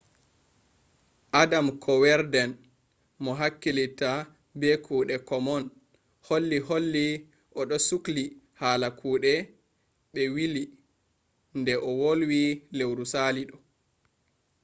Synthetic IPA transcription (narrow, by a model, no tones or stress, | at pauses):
ʔadamkʰɔwɛɾdɛn | mɔɦakːilita | bɛkʰuːɗɛkɔmɔn | holːiholːi | ʔɔɗɔsukli | haːlakʰuːɗɛ | ɓɛwili | ndɛʔɔwolwilewɾusaliɗɔ